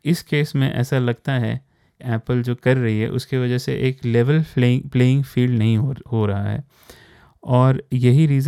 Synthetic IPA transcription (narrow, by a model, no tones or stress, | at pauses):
ɪskeːsmẽʔɛ̰ːsalɐɡt̪aɦɛ̰ | kɛːpəld͡ʒoːkɐɾːɐɦiɦɛ̰ʔʊ̰skiʋɐd͡ʒɛɦseʔeːkleːʋəlːpleːɪ̃ŋɡfiːlɖnɐɦĩɦɦoɾɐɦaɦɛ̰ː | ɔːɾjɐɦiɾiːz